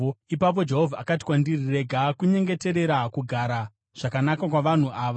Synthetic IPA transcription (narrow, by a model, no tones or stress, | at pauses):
ipap̬o̞d͡ʒeɦovʱaa̰kati̥kwandirire̞ɡʱakuɲe̞ŋɡe̞te̞ɾe̞ɾakuɡʱaːɾa | ʐ̥akanakakwaʋan̤uaːʋa